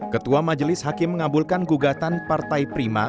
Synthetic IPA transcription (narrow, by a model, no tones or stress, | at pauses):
kət̪uamad͡ʒəlɪshakɪmːəŋabʊlkanɡuɡat̪anpart̪ajpɾima